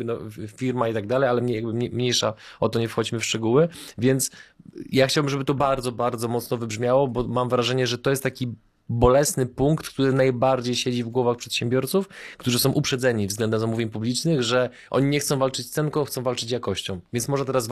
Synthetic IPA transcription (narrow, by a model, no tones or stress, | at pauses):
nɔfʲiɾmait̪aɡd̪alɛjalɛmɲɛjaɡ̚bɘmɲɛmɲejʂaɔt̪ɔɲɛfxɔd͡ʑimɘfʂt͡ʂɛɡuwɘvʲjɛnt̪sjaxt͡ɕawbɘmʐɛbɘt̪ɔbaɾd̪zɔbaɾd̪zɔmɔt̪snɔvɘbʐmʲjawɔbɔmamvɾaʐɛɲɛʐɛt̪ɔjɛst̪t̪ːakʲi | bɔlɛsnɘpuŋkt̪kt̪uɾɘnajbaɾd͡ʑejɕed͡ʑivɡwɔvaxpʂɛt̪ɕɛmbʲjɔɾt̪sufkt̪uʐɨsɔ̃w̃ʔupʂɛd̪zɛɲivzɡlɛnd̪ɛzamuvʲjeɲpublʲit͡ʂnɘɣʐɛ | ʔɔ̰ɲiɲɛxt̪sɔ̃w̃valt͡ʂɘt͡ɕssɛnkɔ̃w̃xt̪sɔ̃w̃valt͡ʂɘt͡ɕjakɔɕt͡ɕɔ̃w̃vʲjɛntsmɔʐɛt̪ɛɾasv